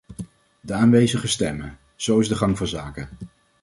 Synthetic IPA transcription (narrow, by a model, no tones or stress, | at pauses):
dəaːnʋejzəχəstɛmə | z̥owɪzdəχɑŋvɑnzaːkə